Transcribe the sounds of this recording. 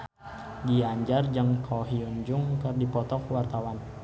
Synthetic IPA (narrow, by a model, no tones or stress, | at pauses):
diaɲd͡ʒard͡ʒəŋkʰɔɦiuɲd͡ʒuŋkərdipɔt̪ɔkwart̪awan